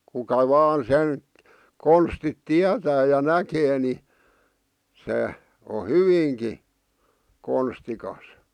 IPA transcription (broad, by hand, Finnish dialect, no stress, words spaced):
kukɑ ʋɑːn sen konstit tiætæː jɑ nækeː ni se o hyʋiːŋki konstikɑs